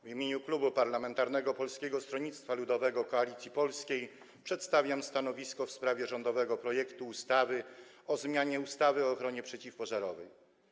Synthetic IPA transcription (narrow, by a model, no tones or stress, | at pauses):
vimʲjeɲuklubupaɾlamɛnt̪aɾnɛɡɔpɔlskʲɛɡɔst̪ɾɔɲit̪st̪falud̪ɔvɛɡɔkɔalʲit̪sʲjipɔlskʲej | pʂɛt̪st̪avʲjamst̪an̪ɔvʲiskɔfspɾavʲjɛʐɔnd̪ɔvɛɡɔpɾɔjɛkt̪uːst̪avɘ | ɔzmʲjaɲɛust̪avɘɔːxɾɔɲɛpʂɛt͡ɕifpɔʐaɾɔvɛj